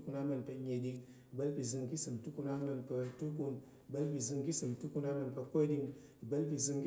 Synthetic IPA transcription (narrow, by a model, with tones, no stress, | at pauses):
ku˧na˦mə˧˨npə˧ɲe˨ɗi˧˦ŋ˨ | bə˦lpi˨zɨ˧ŋki˦sɨ˨mtu˦ku˦na˦ŋ˦nə˧npə˧tu˦k̬u˧n˨ | bə˦lpi˨zɨ˧ŋki˦sɨ˨mtu˦ku˦na˦mə˧npə˧ko˦ɗi˧ŋ˨bə˦lpi˨zɨ˧ŋki˦